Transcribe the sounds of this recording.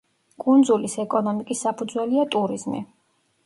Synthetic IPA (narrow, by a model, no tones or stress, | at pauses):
kʼund̪zulisɛkʼɔnɔmikʼisːapʰud̪zwɛliat̪ʼuɾizmḭ